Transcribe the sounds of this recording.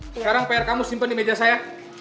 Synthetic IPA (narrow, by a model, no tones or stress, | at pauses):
səkaɾaŋpajarkamusimpəndimed͡ʒasaja